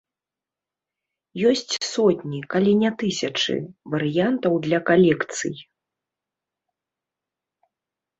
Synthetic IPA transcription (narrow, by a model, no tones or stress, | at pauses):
jɔsʲt͡sʲsɔt̪ʲnʲikalʲinʲɛt̪ɨsʲɐt͡ʂɨ̰vɐɾɨjant̪ɐwd̪lʲɐkalʲɛkt̪sɨ̰j